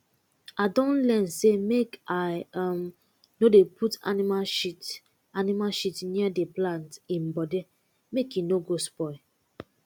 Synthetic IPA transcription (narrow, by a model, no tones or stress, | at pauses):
adɔ̃nlɛ̃nsemekaɪm | nodeputa̰nimaʃit | animaʃitniadeplãntĩnbɔde | mekjinoɡospɔɪ